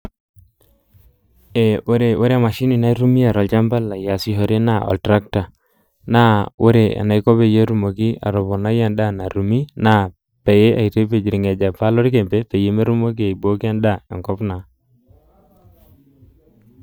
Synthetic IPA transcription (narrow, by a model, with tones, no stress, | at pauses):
e˨o˦ɾe˨o˦ɾe˦˨ma˨ʃi˦ni˨na˦i˦ɾu˦mi˦a˨ɾo˨lt͡ʃa˦mba˦lːa˨ja˨si˦ɦo˨ɾe˦na˦ɔ̰˨ltɾa˦k̚ta˨ | na˦o˦ɾe˨a̰˨na˨jko˦be˨je˦ɾu˦mo˨ki˦a̰˨ɾo˨bo˨na˦ja˦nda˦na˨ɾu˨mi˦na˦ | pe˨je˦ʔa˨i˨ɾe˦pe˨d͡ʒi˨ɾi˨ŋe˨d͡ʒa˨pa˦lo˦ɾi˦ke˨mpe˦pe˨je˦me˦ɾu˦mo˦k̬i˦a˨i˨bo˦ki˦a˦nda˦ḛ˨ŋkɔ˦pna˨